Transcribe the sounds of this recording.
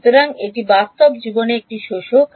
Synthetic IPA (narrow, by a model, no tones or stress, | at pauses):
t̪oɾaŋek̚ʈibast̪obd͡ʑiboneek̚ʈiʃoʃo